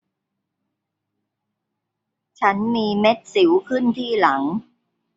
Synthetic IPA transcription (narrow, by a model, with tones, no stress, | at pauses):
t͡ɕʰa˦˥nmiː˧me˦˥t̪̚si˩˦wkʰɯ˥˩nt̪ʰiː˥˩la˩˦ŋ